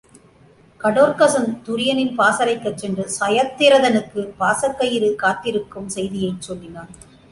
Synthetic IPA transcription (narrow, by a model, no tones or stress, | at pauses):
kɐɽoːɾkɐsɐnt̪ʊɾɪjɐnɪnpaːsɐɾɐɪkːɐt͡ʃːɛndrɯsɐjɐt̪ːɪɾɐðɐnɯkːɯpaːsɐkːɐjɪɾɯkaːt̪ːɪɾɯkːɯmsɛjðɪjɐɪt͡ʃːɔlːɪnaːɾ